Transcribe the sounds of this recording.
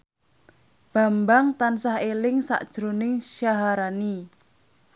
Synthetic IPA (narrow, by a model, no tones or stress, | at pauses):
b̥a̤mbaŋt̪ansaɦelɪŋsa̰ʔd̥ʒ̥ɾonɪŋʃjaɦaɾani